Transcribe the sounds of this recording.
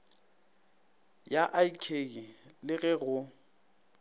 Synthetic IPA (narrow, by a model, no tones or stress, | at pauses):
jaʔaikʰeɣilɪɣɛɣʊ